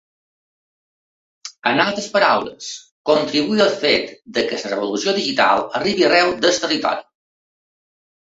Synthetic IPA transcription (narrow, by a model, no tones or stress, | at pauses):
ənalˠt̪ɾəspəɾawlə̰s | kont̪ɾiβuiəlˠfet̪d̪əkəsərəβolusioðiʒit̪a̰lˠəriβiərɛwd̪əst̪ərit̪ɔ̰ɾi